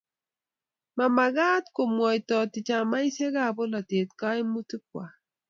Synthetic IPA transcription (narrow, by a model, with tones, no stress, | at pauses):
ma˨ma˨ɣa˦tko˨mwɔ˨i˨tɔ˨tɪ˨t͡ʃa˨ma˦i˦se˦ɣa˦˨bo˦la˨te˨t̚ka˦i˦mu˦ti˦k̚wa˨